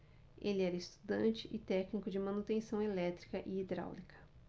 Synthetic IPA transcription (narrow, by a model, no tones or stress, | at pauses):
elɪɛɾɐist̪u̥d̪ɐ̃nt͡ʃɪʔɪt̪ɛknikʊd͡ʒɪmɐ̃nut̪ẽsɐ̃w̃elɛt̪ɾi̥kɐʔɪːd̪ɾa̰wlikɐ̥